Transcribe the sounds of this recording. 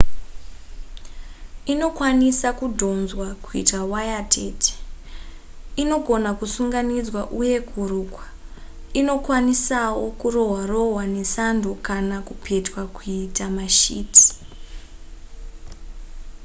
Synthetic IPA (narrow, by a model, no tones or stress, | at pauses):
ino̞kwanisakudʱo̞nzwakuḭtawajatʰete̥ | ino̞ɡʱo̞nakusuŋɡanid͡zwaʔuje̞kuruːkwa | ino̞kwanisawo̞kuro̞ɦwaro̞ɦwane̞sandʱokanakupʰe̞twakuitamaʃiːtʰi̥